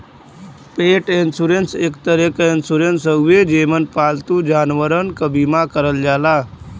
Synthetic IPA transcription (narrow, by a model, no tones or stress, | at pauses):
peʈensuɾensekt̪əɾekensuɾensəɡʋed͡ʑemənpalt̪uːd͡ʑanʋəɾənkəbimakəɾəld͡ʑala